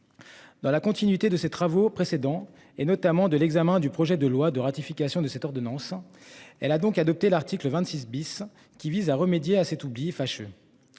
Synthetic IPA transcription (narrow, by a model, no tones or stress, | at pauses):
d̪ɑ̃lakɔ̃t̪inɥit̪ed̪əset̪χavopχesed̪ɑ̃ | enɔt̪amɑ̃d̪əlɛɡzamɛ̃d̪ypχɔʒɛd̪əlwad̪əʁat̪ifikʲasjɔ̃d̪əsɛt̪ɔʁd̪ɔnɑ̃s | ɛlad̪ɔ̃kad̪ɔp̚t̪elaʁt̪ikləvɛ̃t̪sis̬bis | kʲivizaʁəmed̪jeasɛt̪ublifaʃø̰